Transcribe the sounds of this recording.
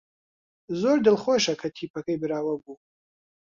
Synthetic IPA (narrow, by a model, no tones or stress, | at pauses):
zoɾd̪ɨlχʷoʃɐkʰɐt̪ʰiːpʰɐkʰɐjbɨɾaːwɐbu